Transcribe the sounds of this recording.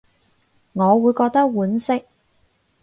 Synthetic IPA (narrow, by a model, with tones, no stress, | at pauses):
ŋɔː˨˧wuː˨˧jkɔː˧k̚t̪ɐ˥k̚wuː˨˥nsɪ˥k̚